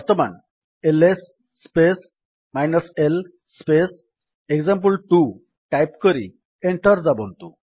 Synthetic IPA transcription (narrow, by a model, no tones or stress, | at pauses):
ʋəɾt̪əma̰n | elesː | pes | majnəsel | spes | ekd͡zamp̬əlʈu | ʈajpkəɾḭ | eɳʈəɾd͡zabo̰nt̪u